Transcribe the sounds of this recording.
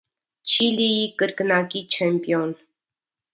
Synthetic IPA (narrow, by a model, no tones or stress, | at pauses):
t͡ʃʰilijikəɾknɑkit͡ʃʰɛmpijɔn